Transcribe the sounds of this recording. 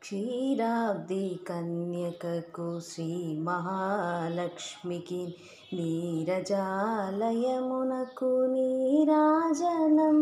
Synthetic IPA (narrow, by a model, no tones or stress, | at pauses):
ʃiːɾaːd̪ikɐnjɐkɐkusɾiːmɐɦaːlɐkʂmikin | niːɾɐd͡ʒaːlɐjɐmunɐkuniːɾaːd͡ʒɐnɐm